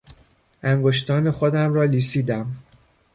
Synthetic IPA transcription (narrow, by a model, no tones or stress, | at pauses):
ʔæŋɡoʃt̪ʰɒːne̞xod̪æmɾɒːliːsiːd̪æm